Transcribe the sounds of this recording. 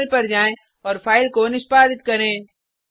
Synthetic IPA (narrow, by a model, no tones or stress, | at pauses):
lpɐɾd͡ʒaːẽ | ɔːɾfʰaːɪlkonɪʃbaːd̪ɪt̪̚kɐɾẽː